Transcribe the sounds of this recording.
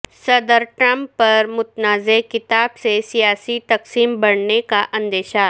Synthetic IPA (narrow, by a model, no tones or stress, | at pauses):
sɐd̪əɾʈɾɐ̃mpːɐɾmʊt̪naːzekɪt̪aːbsesijaːsit̪ɐqsiːmbɐɽnekaʔɐ̃nd̪eːʃa